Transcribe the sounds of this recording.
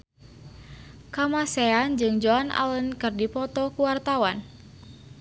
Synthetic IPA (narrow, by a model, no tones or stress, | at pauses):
kamasɛand͡ʒɨŋd͡ʒɔana̰lənkɨrdipɔt̪ɔkuwart̪awan